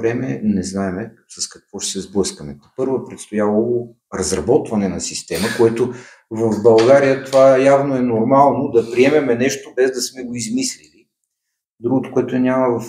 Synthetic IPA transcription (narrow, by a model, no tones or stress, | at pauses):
ɾɛmɛnɛznaɛmɛsɐskɐ̥kvɔʃɛsɛzblˠɤskəmɛ̰t̪ɛpɤɾvoɛpɾɛt̪st̪ojalˠoo | ɾɐzɾɐbɔt̪vɐnɛnɐsist̪ɛməkoɛt̪o | vəvbɐlˠɡaɾijət̪ovajavnoɛnoɾmalˠnod̪ɐpɾiɛmɛmɛnɛʃt̪obɛzd̪ɐsmɛɡoizmislili | d̪ɾuɡʊt̪ʊ̥koɛt̪ʊɛnʲaməvɐf